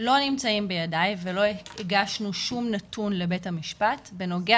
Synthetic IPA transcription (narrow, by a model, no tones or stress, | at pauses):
lo̞nimt͡saimbejadajvelo̞eeɡaʃnuʃumnatunle̞be̞thamiʃpatbe̞no̞ɡe